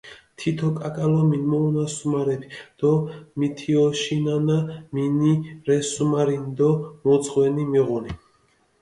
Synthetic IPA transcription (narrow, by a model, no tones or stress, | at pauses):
t̪ʰit̪ʰɔkʼakʼalɔminmɔunasumaɾɛbʰid̪̥ɔmit̪ʰiɔʃinanaminiɾɛsumaɾind̪ɔmɔd̪zʁwɛnimiʁuni